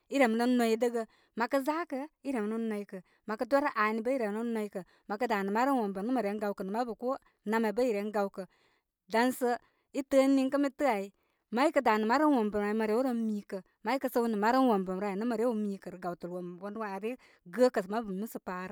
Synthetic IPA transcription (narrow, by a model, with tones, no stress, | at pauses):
i˦ɾe˨mi˦no˦no˦i˦də˦ɡə˦ | ma˨kə˦za˦kə˦i˦ɾe˨m˨no˦nːo˨˦jkə˨ | ma˨kə˦do˦ɾa˦ʔa˨ni˨˦ba˦i˦ɾe˨˦no˦no˦i˦kə˨ | ma˨kə˦da˨nə˨ma˦ɾə˦n˦wo˨mbə˨nə˦ma˨ɾe˨˦ɡa˨wkə˨nə˨ma˦bə˨ku˦ | na˨me˨ba˦ji˨ɾe˨˦n˦ɡa˦u˦kə˨ | da˨nsə˦ | i˦tə˦nːi˦ŋkə˦mi˦tɨ˦a˨i˦ | ma˦i˦kə˦da˨nə˨ma˦ɾə˦nwo˨mbə˨ɾa˨i˨ma˨ɾe˨˦u˦ɾo˦miː˦kə˨ | ma˨˦i˦kə˦sə˦nə˨ma˨˦ɾə˦n˦wo˨mbə˨m˨ɾa˨i˨nə˦ma˨ɾe˦wu˦miː˨˦kə˨ɾɡa˨wtu˨lwo˨m˨wo˨˦n˦wa˨ɾe˦ | ɡə˦kə˨sma˦bə˨mi˦sə˨pa˨˦ɾə˦